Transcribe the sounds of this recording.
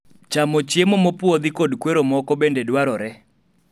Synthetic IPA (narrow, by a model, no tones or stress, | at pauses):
t͡ʃamɔt͡ʃjemomopwod̪ikodkweɾomɔkɔbendedwaɾɔɾɛ